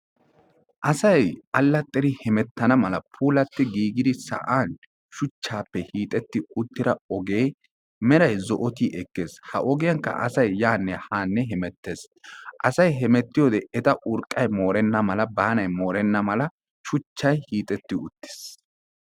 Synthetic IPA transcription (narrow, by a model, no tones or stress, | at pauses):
ʔɐsɐjʔɐlːɐt̪ʼːɛɾɪhɛmɛt̪ːɐnɐmɐlɐpʰuːlɐt̪ːɪɡiːɡɪd̪ɪsɐ̰ʔaːn | ʃʊt͡ʃːaːpːɛhiːt̪ʼɛt̪ːɪʊt̪ːɪɾɐɔɡe̞ːj | mɛɾɐjzɔʔɔt̪iʔɛkːe̞ːshɐ̰ʔɔɡɪjɐŋkːɐ̰ʔɐ̰sɐjːaːnːɛhaːnːɛɦɛmɛt̪ːeːs | ʔɐsɐjɦɛmɛt̪ːɪjoːd̪ɛɛt̪ɐʔʊɾkʼːɐjmo̞ːɾɛnːɐmɐlɐbaːnɐjmo̞ːɾɛnːɐmɐlɐ | ʃʊt͡ʃːɐjhiːt̪ʼɛt̪ːɪʊt̪ːe̥s